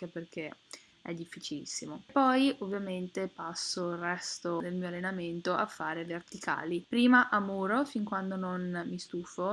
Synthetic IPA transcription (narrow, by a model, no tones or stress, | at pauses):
keperk̟e | ɛ̰d̪ːifːit͡ʃilḭsːimopːɔjʔovːjament̪epasːoirɛst̪od̪elmiːoalːenament̪oʔa̰fːaːɾevert̪ikʰa̰ːlipɾiːmaʔamuːɾofiŋkwand̪ononmist̪uːfo